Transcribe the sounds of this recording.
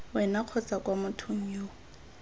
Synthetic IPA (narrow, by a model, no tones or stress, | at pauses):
wɛnaq͡χʰɔt͡sʼakʼwamʊtʰʊŋ̩jo